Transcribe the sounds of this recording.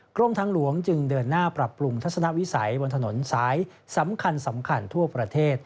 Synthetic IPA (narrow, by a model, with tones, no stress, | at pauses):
kɾo˥˩mt̪ʰaː˧˥ŋlu˩˦əŋt͡ɕɯ˧ŋdɤː˧nːaː˥˩pɾa˨˩pːɾu˧ŋt̪ʰa˦˥sa˧na˦˥ʔwi˦˥sa˩˦jbo˧nt̪ʰno˩˦nsaː˩˦j | sa˩˦mkʰa˧nsa˩˦mkʰa˧nt̪ʰu˥˩ɐpɾa˧t̪ʰeː˥˩t̪̚